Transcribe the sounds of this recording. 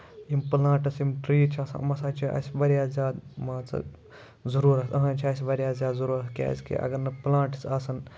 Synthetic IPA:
jimplãːʈɐsimʈɾiːt͡ʃʰaːsɐ̰mɐsaːt͡ʃʰiɐ̰sʲʋɐɾijaːzʲaːd̪mãːt͡sɐ̰ | zuɾuːɾɐsɐɦãːt͡ʃʰiɐsʲʋɐɾjaːzʲjaːd̪zuɾuːɾɐskʲa̰ːzkḭʔɐ̰ɡɐɾnɐplãːʈi̥saːsɐn

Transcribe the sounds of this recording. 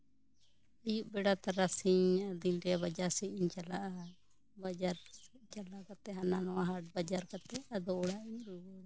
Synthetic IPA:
əjuʔbɛɽat̪aɾasiɲəd̪inɾɛβad͡ʒaɾsɛiɲt͡ʃalaʔa | bad͡ʒaɾt͡ʃalakat̪ɛɦananɔwaɦaʈ̚bad͡ʒaɾkat̪ɛad̪ɔɔɽaʔiɲɾuwɔ

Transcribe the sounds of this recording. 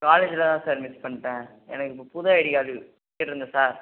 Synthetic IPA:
kaːleːd͡ʒɪlɐt̪ãːsɐːɾmɪspɐɳːʈːẽː | ɛ̰nɐkːɯpːoːpʊðɐɐɽɪɣaːlɯ | ɪʈɾɯnd̪ɐsaːɾ

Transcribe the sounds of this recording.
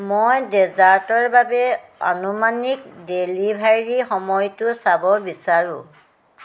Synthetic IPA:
mɔjdɛzaɹtɔɹbabɛɔ̰numanik̚delibʱaɹixɔmɔjtʊsabɔbisaɹʊ̰̃

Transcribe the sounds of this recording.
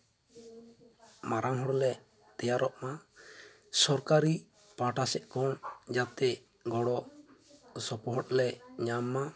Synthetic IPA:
maɾʔaŋɦɔɽɔlɛ | t̪ɛjaɾɔʔma | sɔɾkaɾi | pãʈasɛʔkɔnd͡ʒat̪ɛ | ɡɔɽɔ | sɔpɔɦɔt̚lɛɲamːa

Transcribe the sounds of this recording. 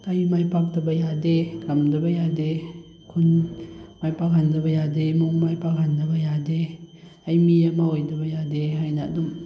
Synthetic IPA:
ɐjmajpak̚tɐbɐjadekɐmdɐbɐjade | kʰunmajpak̚handɐbɐjademuŋmajpak̚handɐbɐjade | ɐjmiɐmaojdɐbɐjadeɦajnɐɐ̰dum

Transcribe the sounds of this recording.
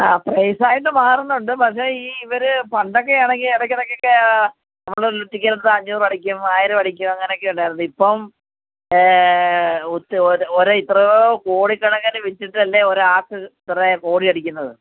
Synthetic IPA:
aːprejsaːjiʈ̬ːɨmaːrunːuuɳɖɨpɐkʂe̞ːiːiʋɐɾɨpɐɳɖo̞kːe̞aːɳe̞ŋɡileɽɐkʲːɐnokːokːe | nɐmːɐɭoɾluʈːikʲːɐɾunːɐðɐɲːuːrɐɽikʲːumaːjɐɾɨʋɐɽikʲːumɐŋːɐneokːeuɳɖaːjɾunːuipːɐm | ut̪ːoɾɨit̪ːrɐokoːɽikːɐɳɐkːɐnɨʋit͡ɕːiʈːɨɐlːeoɾuaːkɨit̪ːrɐeko̞ːɽiɐɽikʲːunːɐðɨ

